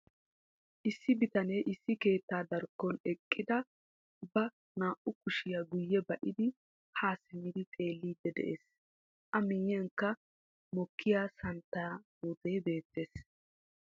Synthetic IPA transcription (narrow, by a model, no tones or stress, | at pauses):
ʔɪsːɪbɪt̪ɐnejʔɪsːɪke̞ːt̪ːaːd̪ɐɾkːɔnɛkʼːɪd̪ɐ | bɐ | naːʔʊkʊʃɪjaɡʊjːɛbɐʔɪd̪ɪ | haːsɪmːɪd̪ɪt̪ʼe̞ːlːiːd̪ːɛd̪ɛ̰ʔeːs | ʔɐmiːjɐŋkːɐ | mɔkʰːɪjaːsɐnt̪ːaːmut̪ejbe̞ːt̪ːeːs